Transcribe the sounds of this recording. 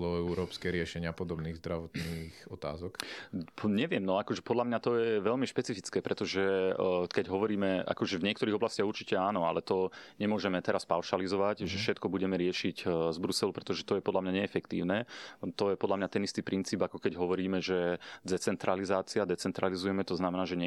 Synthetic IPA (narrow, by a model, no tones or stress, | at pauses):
lɔɛuɾɔːpskɛɾɪɛʃɛɲɪapɔd̪ɔbniːɣzd̪ɾaʋɔt̪niːxɔt̪a̰ːzɔk | ɲɛʋɪɛmnɔakɔʒɛpɔd̪lamɲat̪ɔjɛʋɛʎmiʃpɛt͡sifit͡skɛːpɾʔɛt̪ɔʒɛkɛɟɦɔʋɔɾiːmɛʔa̰kɔʒɛvɲɪɛkt̪ɔɾiːɣɔblascɪaɦuɾt͡ʃicɛaːnɔalɛt̪ɔɲɛmʊɔʒɛmɛt̪ɛɾaspaʊʃalizɔʋaɟʒɛfʃɛt̪kɔbuɟɛmɛɾɪɛʃiɟzbɾusɛlupɾɛt̪ɔʒɛt̪ɔjɛpɔd̪lamɲaɲɛːfɛkt̪ḭːʊnɛt̪ɔjɛpɔd̪lamɲat̪ɛnist̪iːpɾint͡siːbakɔkɛɟɦɔʋɔɾiːmɛʒɛd̪ɛt͡sɛnt̪ɾalizaːt͡siad̪ɛt͡sɛnt̪ɾalizujɛmɛt̪ɔznamɛnaːʒɛɲɛ